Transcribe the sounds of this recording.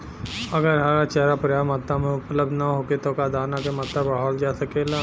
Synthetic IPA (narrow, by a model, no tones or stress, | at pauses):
ɐɡəɾɦaɾat͡ʃɛɦɾapɾɐjaːmat̪ːamẽʊpləb̚d̪naɦoːket̪okad̪aːnakemat̪ːabaːɦɔːld͡ʒaːsɐkeːlaː